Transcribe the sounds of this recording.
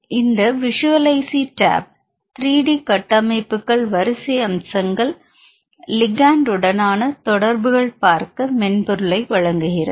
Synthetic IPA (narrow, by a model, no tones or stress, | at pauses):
ɪnd̪ɐʋɪʂɯʋɐlɐɪsiʈa̰ːb̚ | t̪ɾiːɽikɐʈːɐmɐɪpːɯkːɐɭʋɐɾɯsɪjɐmsɐŋɡɐɭ | lɪɡaːnɖɯɽɐnaːnɐt̪ɔɽɐɾbɯɣɐɭpaːɾkɐmɛnpɔɾɯɭɐɪʋɐɻɐŋɡɯɣɪrɐ